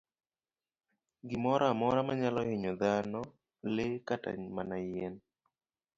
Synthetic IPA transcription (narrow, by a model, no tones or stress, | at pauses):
ɡɪmɔɾamɔɾamaɲalɔheɲɔd̪anɔ | lekata̰ɲmanajɛn